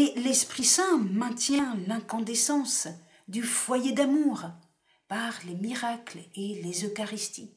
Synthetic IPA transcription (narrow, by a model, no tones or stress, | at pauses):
elɛspχisɛ̃mɛ̃t̪jɛ̃lɛ̃kɔ̃d̪esɑ̃s | d̪yfwajed̪amuʁ | paʁlemiʁaklelezøkaʁist̪i